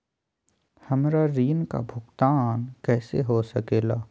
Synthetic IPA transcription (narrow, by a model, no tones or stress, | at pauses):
hɐmɾaɾiːnka̰bʱʊɡt̪aːnkɛːseɦosɐkeːlaː